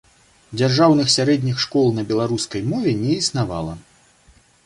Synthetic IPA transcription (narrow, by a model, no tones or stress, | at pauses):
d͡zʲarʐawnɨxsʲaɾɛd̪ʲnʲixʂkɔlˠnɐbʲɛlˠaɾuskɐjmɔvʲɛnʲɛisnava̰lˠɐ